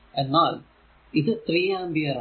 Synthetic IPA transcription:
enːaːl | iðɨt̪riːjãːmbijɐɾ

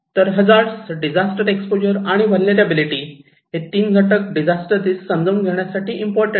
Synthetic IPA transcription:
t̪əɾɦəd͡zaɾsɖid͡zasʈəɾekspod͡ʑəɾaɽ̃iʋəlneɾabiliʈiː | ɦet̪iːnɡʱəʈək̚ɖid͡zasʈəɾd̪iːsːəmd͡zəwnɡʱeɳ̃jasaʈiːimpɔɾʈəɳ

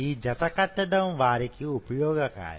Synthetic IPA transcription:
iːd͡ʒɐt̪ɐkɐt̪ːɐɖ̪ɐ̃mʋaːɾikiupɐjɔːɡɐka̰ːɾ

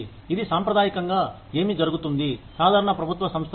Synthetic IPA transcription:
id̪isaːmpɾɐd̪aːjikɐŋɡaː | e̞ːmid͡ʒɐɾuɡut̪und̪isaːd̪ʱaːɾɐɳɐpɾɐbʱut̪ʋɐsɐmst̪ʰ

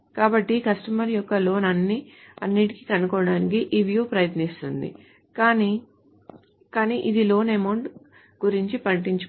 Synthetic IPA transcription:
kaːbɐʈːikɐsʈɐmɐɾjɔkːɐlo̞ːnɐnːiɐ̰nːiʈiki̥kɐnukɔːɽaːnikiʔiːʋjuːpɾɐjɐt̪nist̪und̪ḭ | kaːni | kaːniːʔid̪ilo̞ːnemɐɳʈ | ɡuɾiɲt͡ʃipɐɳʈiɲt͡ʃu

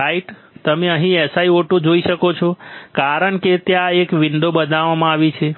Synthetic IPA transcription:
ɾaiʈ | t̪əmeəɦĩɛsaioʈod͡ʒoisəkot͡ʃʰokaɾənket̪jaekʋiɳɖobəd̪aʋamãaʋit͡ʃʰe

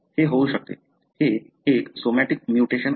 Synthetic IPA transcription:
heɦowʃək̚t̪ḛ | ʃe | eksomɛʈik̚mjuʈeʃən

